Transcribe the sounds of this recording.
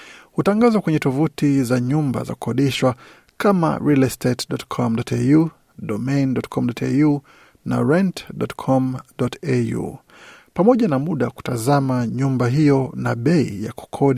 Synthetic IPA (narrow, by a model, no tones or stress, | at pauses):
hutaŋɡazakwɛɲɛtɔvutizaɲumba̰za̰ku̥kɔɗiʃwa | kama̰ɹilɛstʰɛtɗɔtkʰɔmɗɔtɛju | ɗɔmɛjndɔtkʰɔmɗɔtɛ̰ju | na̰ɹɛntɗɔtkʰɔmɗɔtɛjṵ | pamɔʄanamuɗaku̥tazamaɲumbaɦijɔnaɓɛḭjaku̥kʰɔɗi